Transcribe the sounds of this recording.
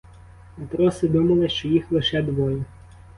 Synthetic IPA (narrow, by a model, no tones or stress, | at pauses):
pet̪ɾɔsɪʋɪmɔlˠɪʃt͡ʃɔjixlˠɪʃɛd̪ʋɔjɛ